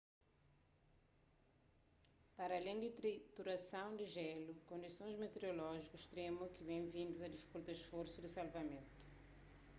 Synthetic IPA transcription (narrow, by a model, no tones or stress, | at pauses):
paɾalẽj̃d̪ɪt̪ɾit̪uɾasɐ̃w̃d̪ɪʒɛlukõnd̪isõj̃zmet̪eɾolɔʒikʊʃt̪ɾẽmukɪbẽj̃vĩnd̪uɐd̪ifi̥kult̪aɪʃfoɾsud̪ɪsalvɐmẽnt̪u̥